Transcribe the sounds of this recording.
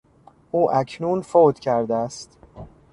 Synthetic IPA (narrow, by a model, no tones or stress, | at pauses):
ʔuːʔæcʰnuːnfoːd̪̥cʰæɾd̪eæst̪